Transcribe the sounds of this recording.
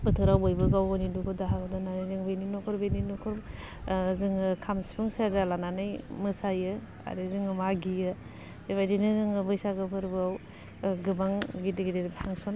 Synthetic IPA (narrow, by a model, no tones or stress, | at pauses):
bɯtʰɯɾawbɔjbɯɡawɔnidukʰɔdaɦaɡɔdɯnanɯjzɯŋbejninɔkʰɔɾbeninɔkʰɔɾ | zɯŋɯkʰamsibʰɯŋsazalananɯjmɯsajɯ | a̰ɾizɯŋɯmaɡijɯ | eβajdinɯzɯŋɯbɯjsaɡɯpʰɯɾbɯaw | ɡɯbaŋɡideɡidepʰaŋsɔn